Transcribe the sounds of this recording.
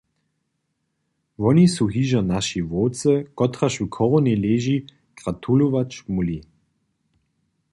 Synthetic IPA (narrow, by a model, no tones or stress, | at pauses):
vɔnisuɦiʒanaʃivoːt͡səkɔtʁaʃvukʰɔʁɔneleːʒi | ɡ̥ʁat̪ʰuluvat͡ʃmuli